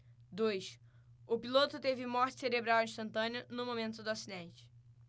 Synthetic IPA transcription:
d̪ojs | ʊpilot̪ʊt̪evɪmɔɾt͡ʃɪ̥seɾebɾawĩʃt̪ɐ̃nt̪ɐ̃nʊnʊmomẽnt̪ʊd̪ʊasid̪ẽnt͡ʃɪ̥

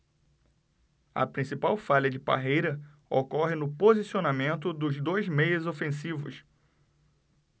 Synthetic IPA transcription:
ɐ̰pɾĩsipawfaʎɐd͡ʒɪpa̰ɦejɾɐ | okɔɦɪnʊpozisionamẽnt̪ʊd̪ʊzd̪ojzmejʊzofẽsivʊ̰s

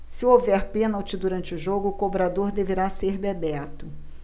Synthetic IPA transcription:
sɪovɛɾpẽnɐwt͡ʃɪd̪uɾɐ̃nt͡ʃɪʊʒoɡʊːkobɾad̪oɾd̪eveɾaseɾbebɛt̪ʊ

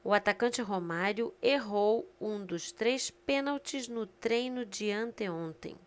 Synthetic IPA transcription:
ʊat̪akɐ̃nt͡ʃɪɦomaɾjʊeɦowũd̪ʊst̪ɾejspẽnawt͡ʃɪznʊt̪ɾẽjnʊd͡ʒɪɐ̃nt̪eõnt̪ḛ̃j̃

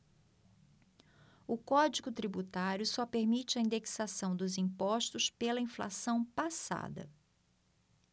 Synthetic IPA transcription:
ʊkɔd͡ʒiɡʊt̪ɾibut̪aɾjʊsɔpeɾmit͡ʃɪɐĩnd̪eksasɐ̃w̃d̪ʊzĩpɔʃt̪ʊspelɐĩfla̰sɐ̃w̃pasa̰d̪ɐ̰

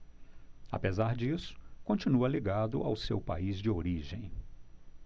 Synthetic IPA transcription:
a̰pezaɾd͡ʒisʊ̥kõnt͡ʃinuɐliɡad̪ʊ̰ʔawsewpa̰izd͡ʒɪoɾiʒẽj̃

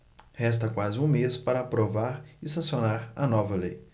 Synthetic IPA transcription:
hɛst̪ɐkwazɪũmespaɾɐapɾovaɾɪsɐ̃sionaɾɐ̰nɔvɐlej

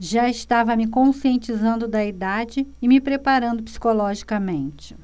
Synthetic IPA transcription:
ʒaɪst̪avɐmɪkõsiẽnt͡ʃizɐ̃nd̪ʊd̪ɐid̪ad͡ʒɪːmɪpɾepaɾɐ̃nd̪ʊpsi̥kolɔʒikɐmẽnt͡ʃɪ̥

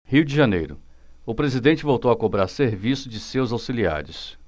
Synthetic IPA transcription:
hiwd͡ʒɪʒɐnejɾʊ̰ | ʊpɾezid̪ẽnt͡ʃɪvowt̪owɐkobɾaɾseɾvisʊd͡ʒɪsewzawsilia̰ɾʊs

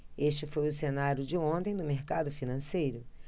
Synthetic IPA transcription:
eʃt͡ʃɪfojʊsenaɾjʊd͡ʒɪõnt̪ẽj̃d̪ʊmeɾkad̪ʊfinɐ̃sejɾʊ

